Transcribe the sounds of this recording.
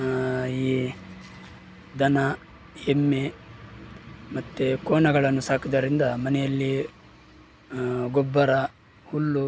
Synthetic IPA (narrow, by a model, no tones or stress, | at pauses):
iː | d̪ɐnɐ | emːe | mɐt̪ːekoːnɐɡɐɭɐnːusaːkid̪ɐɾind̪ɐmɐnɛjɐlːi | ɡobːɐɾɐ | hulːu